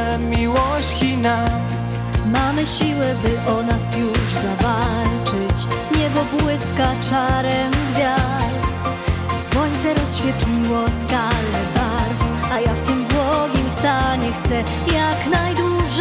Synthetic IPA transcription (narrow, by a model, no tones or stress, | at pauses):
mʲiwɔɕt͡ɕinam | mamɘɕiwɛbɘʔɔnasjuʐzava | lt͡ʂɘt͡ɕ | ɲɛbɔbwɪskat͡ʂaɾɛmɡvʲjasst̪ | swɔɲt̪sɛɾɔsɕfʲjɛt̪lʲiwɔskaɾd̪ɛbaɾf | ajaft̪ɘmbwɔɡʲimst̪aɲɛxt̪sɛ | jaknajd̪wuʐ